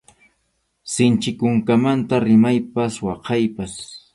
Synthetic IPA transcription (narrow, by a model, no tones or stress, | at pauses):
sɪnt͡ʃɪkʊŋkamant̪aɾɪmajpaswɑqɑjpas